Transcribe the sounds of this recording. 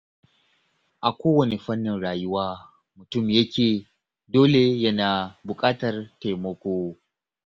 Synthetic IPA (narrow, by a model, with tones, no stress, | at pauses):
ʔa˨kʷoː˦wɐ˨ne˨ɸɐ˦nːɪ˨nɽaː˨jʊ˦waː˦ | mʊ˨tʊ˦˨mjɐ˦kʲeː˨ | doː˦le˨jɐ˦naː˨bʊ˨kʼaː˦tɐ˨rta˨jmɐ˦kʷoː˦